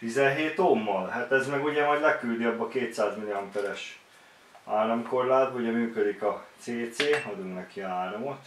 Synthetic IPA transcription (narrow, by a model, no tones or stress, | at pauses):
t̪izɛnɦeːt̪omːɒlhat̪ɛzmɛɡuɟɛmɒɟdlɛkyld̪iɒbːɒkeːt̪saːzmiliɒmpɛɾɛʃ | aːlɒmko̞rlaːd̪̚bɒuɟɛmyːkød̪ikɒt̪seːt̪seːɒd̪uŋnɛkiaːɾomot̪